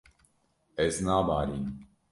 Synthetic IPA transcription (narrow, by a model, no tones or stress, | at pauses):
ɛznaːbaɾin